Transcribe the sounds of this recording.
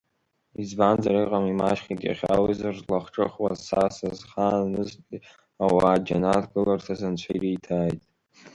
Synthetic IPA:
izband͡zaɾɨjqʼamimaʃχʲiɡʲʼa̰χʲa̰wizarzlaχʈ͡ʂʼɨχwazsasazχanɨztʲʼi | awaːd͡ʒanatɡɨlartʰazant͡ʃʷʰairijtʰaːjtʼ

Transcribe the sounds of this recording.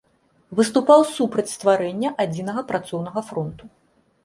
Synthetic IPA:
vɨst̪upawsupɾɐt͡sʲst̪vaɾɛnʲːɐʔad͡zʲinɐɣɐpɾat̪sɔwnɐɣɐfɾɔnt̪u

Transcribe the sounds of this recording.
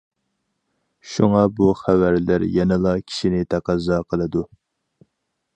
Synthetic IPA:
ʃuŋɑbuχævæɾlɪɾjɛnɨlˠɑkʲʰi̥ʃinɪt̪ʰæqɑzːɑqʰəlˠɨd̪u

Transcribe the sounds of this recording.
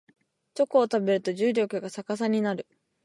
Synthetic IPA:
t͡ɕo̞koːt̪abe̞ɾɯ̟t̪o̞ʑɨːɾʲo̞kɯ̟ɡasakas̬aɲ̟inaɾɯ̟

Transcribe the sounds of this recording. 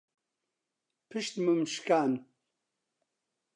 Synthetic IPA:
pʰɨʃt̪mɨmʃkaːn

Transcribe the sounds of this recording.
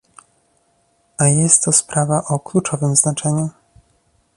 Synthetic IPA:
ajɛst̪ːɔspɾavaʔɔklut͡ʂɔvɘmznat͡ʂɛɲu

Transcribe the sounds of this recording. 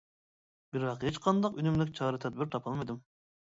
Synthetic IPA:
bɪɾwɑqhet͡ʃqʰɑnd̪ɑqynymlɪkʲt͡ʃʰɑːɾɨt̪ʰɛd̪̚bɪɾt̪ʰɑpʰɑlˠmɨjd̪ɪm

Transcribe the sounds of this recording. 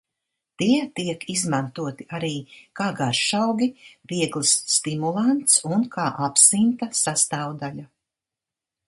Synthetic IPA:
t̪iɛt̪iɛkizmant̪uɔt̪iaɾiːkaːɡaɾʃawɡʲiviɛɡlˠisːt̪imulˠant̪sunkaːʔapsint̪asast̪aːwd̪aʎa

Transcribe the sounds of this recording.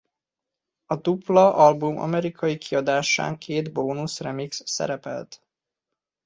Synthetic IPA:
ɒd̪uplɒʔɒlbumɒ̰mɛɾikʰɒjikʰiɒd̪aːʃa̰ːŋkʰeːd̪boːnusrɛmiksːɛ̰ɾɛpɛ̰lt̪

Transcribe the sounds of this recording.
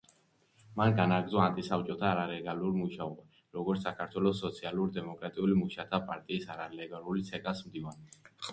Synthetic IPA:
manɡanaɡd̪zɔant̪ʼisaft͡ʃʼɔt̪ʰaːɾaɾɛɡaluɾmuʃaɔba | ɾɔɡɔɾt̪ssakʰaɾt̪ʰwɛlɔsːɔt̪sʰialuɾd̪ɛmɔkʼɾat̪ʼiulimuʃat̪ʰapʼaɾt̪ʼiːsaɾalɛɡalˠulit̪sʰɛkʼasmd̪ivan

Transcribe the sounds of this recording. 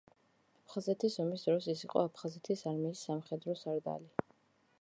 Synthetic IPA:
apʰχazɛt̪ʰisɔmisd̪ɾɔsisiqʼɔ̰apʰχazɛt̪ʰisaɾmiːsːamχɛd̪ɾɔsaɾd̪a̰li

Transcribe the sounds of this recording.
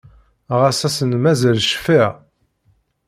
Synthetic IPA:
ʁasæsənmæzælʃfi

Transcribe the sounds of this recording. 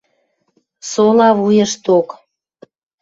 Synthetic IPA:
solɑβujə̆ʃt̪ok

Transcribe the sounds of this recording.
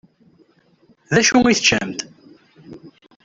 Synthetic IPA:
ðæʃuiθt͡ʃːə̰mt̪

